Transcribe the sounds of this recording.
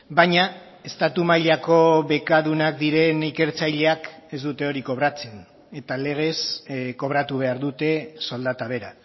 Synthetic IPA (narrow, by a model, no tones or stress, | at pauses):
baɲa | e̞st̪at̪umajʎako̞βe̞kaðunak̚d̪iɾe̞nike̞ɾt͡sajʎe̞ake̞zd̪ut̪e̞o̞ɾiko̞βɾat͡se̞n | e̞t̪ale̞ɣ̞e̞sko̞β̞ɾat̪uβ̞e̞aɾðut̪e̞so̞ld̪at̪aβ̞e̞ɾa